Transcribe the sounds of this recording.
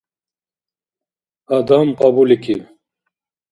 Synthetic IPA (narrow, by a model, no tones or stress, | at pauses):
ad̪ampabuliki